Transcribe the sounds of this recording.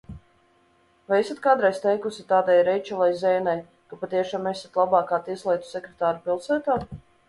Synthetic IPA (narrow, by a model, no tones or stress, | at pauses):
vajesat̪kaːd̪ɾajst̪ɛjkusʲit̪aːd̪ajɾɛjt͡ʃɛlˠajzɛjnaj | kapat̪iɛʃaːmɛsat̪lˠabɑːkaːt̪iɛslˠɛjt̪u̥sɛkɾet̪aːɾupilˠsæːt̪aː